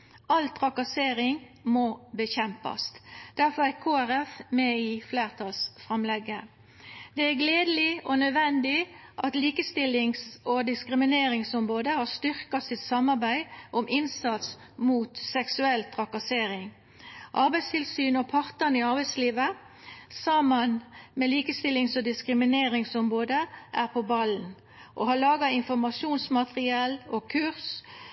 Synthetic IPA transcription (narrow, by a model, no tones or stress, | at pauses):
ɑlt̪ʰʁɑkɑseːɾɪŋmɔbəçɛmpɑ̰st̪d̪̥æʁfɔʁækʰoːæɾɛfmɛɪfleːʁt̪ʰɑlsfʁɑmlɛɡːə | d̪̥ɛæɡleːd̪əlɪɔnœd̪ʋɛnd̪ɪʔɑt̪liːkəst̪ɪlːɪŋsɔd̪ɪskɾɪmɪneːɾɪŋsɔmʁoːd̪əhɑst̪ʏʁkɑsɪt̪sɑmɑʁbæɪʔɔmʔɪnsɑt̪s | muːt̪sɛksʉɛlt̪ʰʁɑkɑseːɾɪŋ | ʔɑɾbæɪst̪ʰɪlsyːnɔpʰɑʁt̪ənɪɑʁbæɪsliːʋə | sɑmənmɛliːkəst̪ɪlːɪŋsɔd̪ɪskɾɪmɪneːʁɪŋsɔmʁoːd̪əʔæʁpʰɔbɑln | ʔo̰hɑɭɑːɡɑɪnfɔʁmɑʃuːnsmɑt̪ʁɪɛːlɔkʰʉʁs